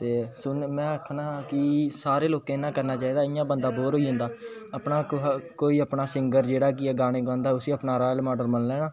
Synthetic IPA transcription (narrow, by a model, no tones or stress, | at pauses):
t̪eːsʊnmɛ̃ːəkʰnaːkɪsaːɾeːloːkẽːnãːkəɾnaːt͡ʃaːiːd̪aːɪjãːbənd̪aːboːɾɦoːiːɦʊ̃nd̪aːəpnaːkoːiːəpnaːsɪŋɡəɾd͡ʒeːɽaːk̬ɪɛːɡaːɽ̃ẽːkãːnd̪aːʊsiːəpnaːɾaːjlmɔːɖəlməllɛ̃ːnãː